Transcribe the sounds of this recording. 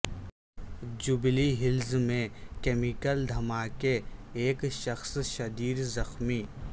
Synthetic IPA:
d͡ʒʊbliɦɪlzmẽkeːmikəld̪ʱɐmaːkeeːkʃɐxsʃɐd̪iːɾzɐxmiː

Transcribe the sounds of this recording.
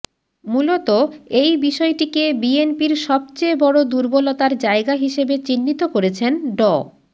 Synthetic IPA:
mulot̪oejbiʃɔeʈikebienpiɾʃɔb̚t͡ɕeebɔɽod̪uɾbolot̪aɾd͡ʑaeɡaɦiʃebet͡ɕinːit̪okoɾet͡ɕʰenɖɔ

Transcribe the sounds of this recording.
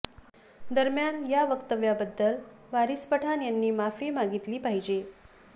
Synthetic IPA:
d̪əɾmjanjaʋəkt̪əʋjabəd̪ːəl | ʋaɾispəʈʰanjanːiːmafemaɡit̪liːpaɦid͡ʑe

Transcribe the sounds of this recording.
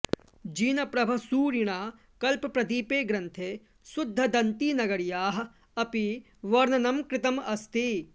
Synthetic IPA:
d͡ʒiːnɐpɾɐbʱɐsuːɾiɳ̃aː | kɐlpɐpɾɐd̪iːpeːɡɾɐ̃nt̪ʰeː | sʊd̪ʱːɐd̪ɐnt̪iːnɐɡɐɾjaːɦɐ̆ | ɐpi | ʋɐɾnɐnɐmkɾɪt̪ɐmɐst̪i

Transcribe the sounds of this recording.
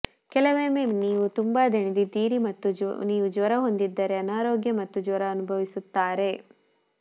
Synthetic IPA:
kɛlɐʋeːmeːniːʋut̪umbaːd̪ʱɐɳid̪id̪iːɾimɐt̪ːuniːʋud͡ʒʋɐɾɐɦo̞nd̪id̪ːɐɾe̞ɐnaːɾoːɡjɐmɐt̪ːud͡ʒʋɐɾɐɐnubʱɐʋisut̪ːaːɾe̞

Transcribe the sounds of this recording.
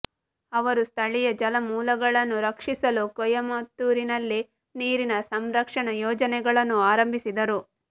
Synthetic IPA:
ɐʋɐɾust̪ʰɐɭijɐd͡ʒɐlɐmuːlɐɡɐɭɐnːuɾɐkʂisɐlukɔjɐmɐt̪ːuɾinɐlːi | niːɾinɐsɐmɾɐkʂɐɳɐjɔːd͡ʒɐnɛɡɐɭɐnːuaːɾɐmbʱisid̪ɐɾu

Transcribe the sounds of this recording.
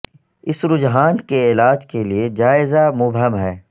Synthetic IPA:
ɪsɾʊd͡ʒɦaːnkeɪːlaːd͡ʒkelied͡ʒaːɪzamʊbɦəmɦɛː

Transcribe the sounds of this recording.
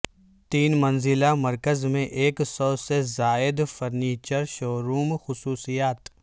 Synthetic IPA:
t̪iːnmɐnzɪlamɐɾkəzmẽʔeːksɔːsezaːɪd̪fɐɾniːt͡ʃəɾʃoːɾuːmxʊsuːsijaːt̪

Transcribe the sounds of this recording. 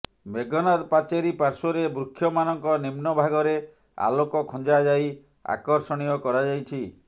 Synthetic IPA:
bʱeɡɔnad̪pat͡ʃeɾipaɾsɔɾebɾukʰjɔmanɔŋkɔnimnɔbʱaɡɔɾe | a̰lokɔkʰɔ̃nd͡ʒad͡ʒaj | a̰kɔɾsɔɽ̃ijɔkɔɾad͡ʒajt͡ʃʰi

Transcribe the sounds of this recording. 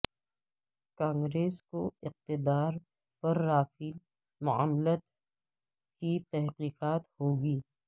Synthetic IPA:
kãːŋɡɾeːskoɪq̚t̪ɪd̪aːɾ | pɐɾːaːfiːl | mʊa̰ːmlət̪ | kit̪ɛɦqiːqaːt̪hoːɡiː

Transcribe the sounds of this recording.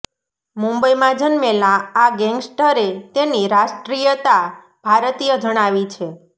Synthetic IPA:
mũmbəimãd͡ʒənmelaːɡɛŋɡsʈəɾet̪eniɾaʃʈɾijət̪a | bʱaɾt̪ijəd͡ʒəɽ̃aʋit͡ʃʰe

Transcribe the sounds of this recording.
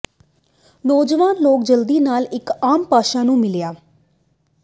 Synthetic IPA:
nɔːd͡ʒʋaːnloːk̚d͡ʒəld̪iːnaːlɪkaːmpaːʃaːnũːmɪljaː

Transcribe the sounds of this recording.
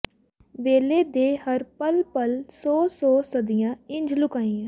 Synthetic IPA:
ʋeːleːd̪eːhəɾpəlpəlsɔːsɔːsəd̪ɪjãːɪɲd͡ʒlʊkaːĩːãː

